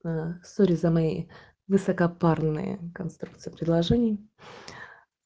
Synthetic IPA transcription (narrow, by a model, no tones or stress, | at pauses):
soɾʲɪzəmɐjḛj | vɨsəkɐparnɨ̰jə̰kɐnst̪ɾukt̪sɨjpɾʲɪd̪lˠɐʐɛnʲɪj